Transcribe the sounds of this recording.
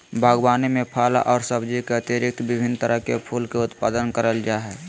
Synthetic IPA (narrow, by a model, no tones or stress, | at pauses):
bʱaːɡwaːnimẽpʰaːla̰ʔɔːɾsəbd͡ʒikeət̪iɾɪk̚t̪bɪbʱɪnt̪əɾəɦkepʰuːlkeʊt̪paːd̪ənkəɾəld͡ʒaːɦɛ